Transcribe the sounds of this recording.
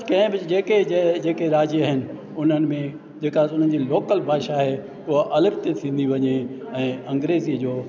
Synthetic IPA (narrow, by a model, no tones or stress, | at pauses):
kɐ̃ɦɪ̃bɪd͡ʑeːked͡ʑed͡ʑeːkeɾaːd͡ʑiaɦɪnɪ̆ | ʊn̤ənɪ̆mẽ | d͡ʑeːkasʊn̤ənd͡ʑiːloːkəlbʱaːʃaɦe | ʊɦoʔɐləbt̪et̪ʰĩːn̆d̪iʋɐɲeɛ̃ːɐ̃ŋɡɾeːziəd͡ʑoː